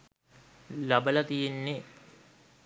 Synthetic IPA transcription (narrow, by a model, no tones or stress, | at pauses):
labəlɐt̪ijenːe